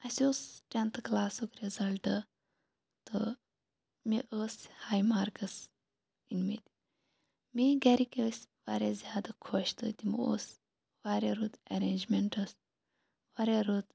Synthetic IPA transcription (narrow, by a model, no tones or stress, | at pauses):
ɐsoːsʈent̪ʰklaːsokɾizɐlʈɨ | t̪ɨ | meʔəːshaːjmaːɾkɐs | inmet̪ʲi | miɡɐɾikʲesʲʋaːɾezʲjaːd̪ɐkʰoːʃt̪ɨ̰t̪ʲimoːs | ʋaːɾeɾuːd̪ɐɾeːnd͡ʒmʲeɳʈɐs | ʋaːɾeɾoːd̪